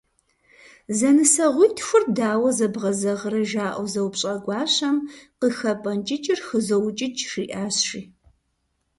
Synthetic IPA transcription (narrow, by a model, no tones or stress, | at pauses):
zɐnɨsɐʁʷujtʰxʷʊrdaːwɐzɐbʁɐzɐʁəɾɐʒaːʔɐzɐwpɕʼɐɡʷɑːɕɐmqəxɐpʼɐnt͡ʃʼɪt͡ʃʼɪrxəzɐwt͡ʃʼɪt͡ʃʼʂiːʔaːɕʂiː